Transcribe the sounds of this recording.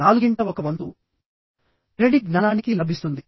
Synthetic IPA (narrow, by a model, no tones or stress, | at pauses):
aːluɡiɳʈɐɔkɐʋɐnd̪u | ɾeɽiʈnɐːnaːnikilɐbʱist̪und̪i